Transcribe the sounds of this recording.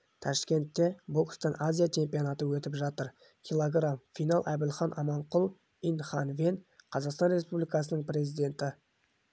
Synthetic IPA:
t̪ʰɑʃkʲe̞nt̪ːe̞bokst̪ɑnʔazʲijat͡ʃʰe̞mpionat̪əwɵt̪ɪpʒɑt̪əɾ | kʲʰilˠoɡramfijnalˠʔæb̪ɪlχɑnʔɑmɑɴqʊlˠ | inχɑnvenqʰɑzɑqst̪ɑnre̞spublijkɑsənəɴpɾe̞zijd̪e̞nt̪ɪ

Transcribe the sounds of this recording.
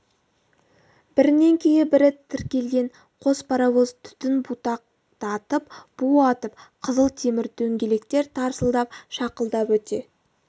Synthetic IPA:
b̥ɪɾɪne̞ŋkʲʰejɪbɪɾɪt̪ʰɪɾkʲe̞lɡʲe̞ɴ | qʰo̞spʰɑɾɑwozt̪ʰʏ̥t̪ɪnbut̪ɑq̚ | t̪ɑt̪əp̚b̥uɑt̪əp̚qʰəzəlˠt̪ʰe̞mɪɾt̪ʰɵŋɡʲe̞le̞kt̪e̞ɾt̪ʰɑɾsəlˠd̪ɑp̚ʃɑqəlˠd̪ɑpwɵt̪e̞

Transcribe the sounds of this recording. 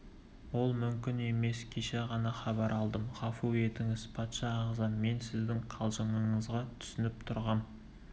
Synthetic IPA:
wo̞lˠmʏmkʲɪne̞me̞skʲʰeʃeʁɑnɑχɑbɑɾʔɑlˠd̪əmʁɑfue̞t̪ɪŋɪzpʰɑt̪ʃɑːʁzɑnme̞nsɪzd̪ɪŋqʰɑlˠʒəɴəɴəzʁɑt̪ʰʏ̥sɪnɪp̚t̪ʰʊɾʁɑm

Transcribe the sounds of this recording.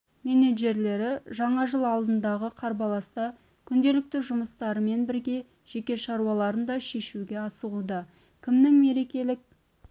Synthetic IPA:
me̞neʒe̞ɾle̞ɾɪʒɑɴɑʒəlˠɑlˠd̪ənd̪ɑʁəqʰɑɾbɑlˠɑst̪ɑ | kʲʰʏnd̪e̞lɪk̚t̪ɪʒʊməst̪ɑɾəme̞nbɪɾɡʲe̞ | ʒ̥e̞kʲe̞ʃɑɾuɑlˠɑɾənd̪ɑʃe̞ʃuɡʲe̞ɑsəʁud̪ɑ | kʲʰɪmnɪŋme̞ɾe̞kʲe̞lɪk̚

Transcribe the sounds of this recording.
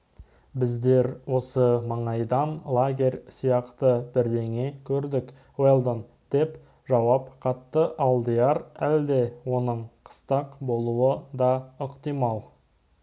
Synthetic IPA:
bɪzd̪e̞ɾwo̞səmɑɴɑjd̪ɑnlˠaɡʲe̞rʲsijɑqt̪əbɪɾd̪e̞ŋe̞kʲʰɵɾd̪ɪk | welˠd̪on | d̪̥e̞p | ʒɑwɑpqʰɑt̪ːəʔɑlˠd̪əjɑɾæld̪e̞wo̞nəɴqʰə̥st̪ɑqbo̞lˠuəd̪ɑəqt̪ijmɑlˠ

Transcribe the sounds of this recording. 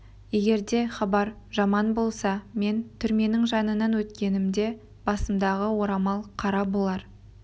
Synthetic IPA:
je̞ɡʲe̞ɾd̪e̞χɑbɑɾ | ʒɑmɑnbo̞lˠsɑme̞nt̪ʰʏɾme̞nɪŋʒɑnənɑnwɵt̪kʲe̞nɪmd̪e̞ | b̥ɑsəmd̪ɑʁəwo̞ɾɑmɑlˠqʰɑɾɑbo̞lˠɑɾ

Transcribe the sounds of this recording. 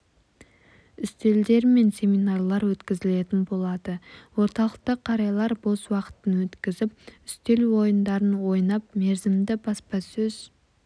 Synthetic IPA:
ʏst̪e̞ld̪e̞ɾme̞nsʲe̞minɑrlˠɑɾwɵt̪kʲɪzɪle̞t̪ɪnbo̞lˠɑd̪əwo̞ɾt̪ɑlˠəq̚t̪əqʰːɑɾɑjlˠɑɾbo̞swɑqə̥t̪ənwɵt̪kʲɪzɪpʏst̪e̞lwo̞jənd̪ɑɾənwo̞jnɑp̚me̞ɾzɪmd̪ɪbɑspɑsɵz

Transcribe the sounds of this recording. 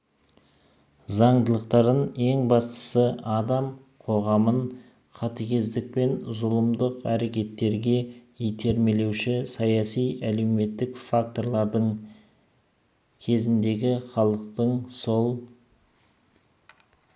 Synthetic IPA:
zɑɴd̪əlˠəq̚t̪ɑɾəne̞ŋbɑst̪ə̥səɑd̪ɑm | qʰo̞ʁɑmən | qʰɑt̪əkʲe̞zd̪ɪk̚pe̞nzʊlˠəmd̪əqæɾe̞kʲe̞t̪ːe̞ɾɡʲe̞ijt̪ʰe̞ɾme̞le̞wʃɪsɑjɑsijæle̞wme̞t̪ːɪkfak̚t̪o̞ɾlˠɑɾd̪əɴ | kʲʰe̞zɪnd̪e̞ɡʲɪχɑlˠəqt̪əɴsolˠ

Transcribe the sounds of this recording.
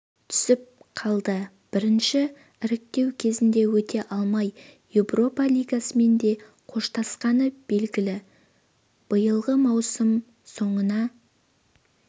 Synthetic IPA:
t̪ʰʏ̥sɪp̚qʰɑlˠd̪ə | b̥ɪɾɪnʃɪ | ɪɾɪk̚t̪e̞wkʲʰe̞zɪnd̪e̞wɵt̪ʰe̞ʔɑlˠmɑjjevro̞pɑlʲijɡɑsəme̞nd̪e̞ | qʰo̞ʃt̪ɑsqɑnəb̥e̞lɡʲɪlɪ | b̥əjəlˠʁəmɑwsəm | so̞ɴənɑ

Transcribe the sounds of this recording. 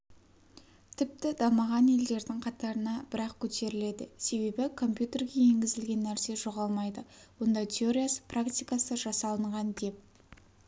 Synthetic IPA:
t̪ʰɪp̚t̪ɪd̪ɑməʁɑnje̞ld̪e̞ɾd̪ɪŋqʰɑt̪ɑɾənɑb̥ɪɾɑqkʲʰɵt̪e̞ɾɪle̞d̪ɪ̰se̞be̞bɪkʰo̞mpjut̪e̞rɡʲe̞je̞ŋɡʲɪzɪlɡʲe̞nːæɾse̞ʒo̞ʁɑlˠmɑjd̪əwo̞nd̪ɑt̪ʲʰe̞o̞ɾʲijasə̥prakt̪ʲijkasəʒɑsɑlˠəɴʁɑnd̪e̞p̚

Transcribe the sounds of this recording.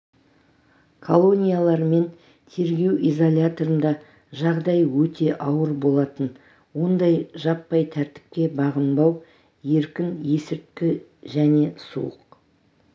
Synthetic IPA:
kʰolˠo̞nʲijalˠɑɾme̞n | t̪ʰe̞ɾɡʲe̞wizolʲat̪o̞ɾənd̪ɑ | ʒɑʁd̪ɑjwɵt̪ʰe̞ʔɑwəɾbo̞lˠɑt̪ən | wo̞nd̪ɑjʒɑpːɑjt̪ʰæɾt̪ɪ̥p̚kʲe̞bɑʁənbɑw | je̞ɾkʲɪnje̞sɪɾt̪̚kʲɪ | ʒæne̞sṵə̰q

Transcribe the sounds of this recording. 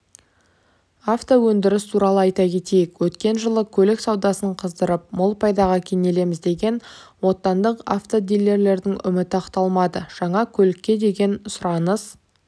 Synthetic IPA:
aft̪owɵnd̪ɪɾɪst̪ʰuɾɑlˠəɑjt̪ɑkʲe̞t̪e̞jɪkwɵt̪kʲe̞nʒəlˠəkʲʰɵlɪksɑwd̪ɑsəɴqʰəzd̪əɾəp̚molˠpʰɑjd̪ɑʁəkʲʰene̞le̞mɪzd̪e̞ɡʲe̞nwo̞t̪ːɑnd̪əqa̰ft̪od̪ilːe̞ɾle̞ɾd̪ɪŋʏmɪt̪ɪɑqt̪ɑlˠmɑd̪əʒ̥ɑɴɑkʲʰɵlɪkʲːe̞d̪e̞ɡʲe̞nʊsʊɾɑnəz

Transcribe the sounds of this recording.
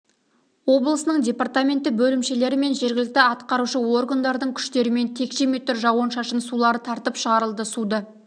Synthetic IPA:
wo̞blˠəsənəɴdʲe̞part̪amʲe̞nt̪ɪbɵlɪmʃe̞le̞ɾɪme̞nʒe̞ɾɡʲɪlɪk̚t̪ɪɑt̪qɑɾuʃəwo̞rɡand̪ɑɾd̪əɴkʲʰʏ̥ʃt̪e̞ɾɪme̞nt̪ʰe̞kʃeme̞t̪ːʏɾʒɑwɑnʃɑʃənsulˠɑɾət̪ʰɑɾt̪əpʃəʁɑɾəlˠd̪əsud̪ə

